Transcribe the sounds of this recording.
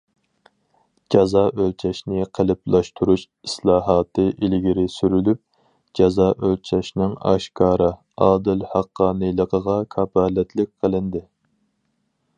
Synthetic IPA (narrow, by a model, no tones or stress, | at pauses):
d͡ʒɑzɑːʔølt͡ʃʰɛʃnɪqʰəlɪplˠɑʃt̪ʰuɾuʃ | i̥slˠɑːɦɑːt̪ɨʔilɡʲiɾɪsyɾylyp̚ | d͡ʒɑzɑʔølt͡ʃʰɛʃnɪŋɑ̰ʃkʰɑːɾɨ | ɑːd̪ɪlhɑqːɑːnɨlˠəqʰəʁɑkʰɑbɑːlɛt̪ʰlɪk̚ʲqʰəlˠɪnd̪ɪ